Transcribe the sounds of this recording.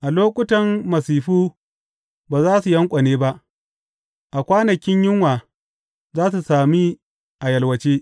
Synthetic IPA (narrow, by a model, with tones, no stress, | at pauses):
ʔa˨loː˦kʷʼʊ˦tɐ˨mmɐ˨siː˨ɸuː˦ | baː˨zaː˦su˨jɐ˦ŋkʷʼa˨neː˦ba˦ʔ | ʔa˨kʷaː˦nɐ˨kʲɪ˦ɲjɪ˦ŋwaː˨ | zaː˦s̬u˨saː˨mi˦ | ʔa˨jɐ˨lwɐ˨t͡ʃeː˦